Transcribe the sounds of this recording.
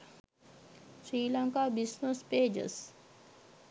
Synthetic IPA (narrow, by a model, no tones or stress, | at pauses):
sɾiːlaŋkaːbisnəspeːd͡ʒə̰s